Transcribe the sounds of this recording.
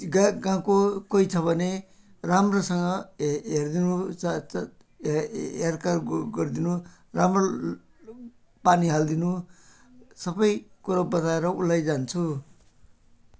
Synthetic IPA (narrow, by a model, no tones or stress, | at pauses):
ɡaɡãkokojt͡sʰʌbʱʌne | ramrosʌŋɡʌɦeɾd̪inu | eɾkarɡʌɾd̪inu | ramro | paniɦald̪inu | sʌbʌjkuɾabʌt̪aeɾʌulːajd͡zant͡sʰu